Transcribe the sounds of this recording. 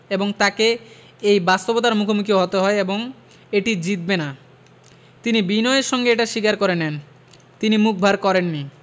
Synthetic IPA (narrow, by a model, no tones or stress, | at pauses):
eboŋt̪ake | ejbast̪obot̪̬aɾmukʰomukʰioɦot̪eɦɔeeboŋ | eʈid͡ʑit̪̚bena | t̪inibinɔeɾʃɔŋɡeeʈaʃikaɾkoɾenɛn | t̪inimuk̚bʱaɾkɔɾenːi